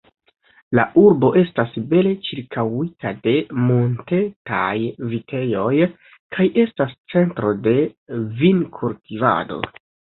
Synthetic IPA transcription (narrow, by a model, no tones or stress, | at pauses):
laʔuɾbo̞ʔe̞stasbe̞le̞t͡ʃiɾkʰawitade̞monte̞ta̰jvite̞jo̞j | kʰajʔe̞stast͡se̞ntɾo̞de̞vinkʰultiva̰do̞̰